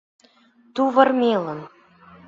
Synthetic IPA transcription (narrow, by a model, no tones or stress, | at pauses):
t̪uvɤrmelə̆n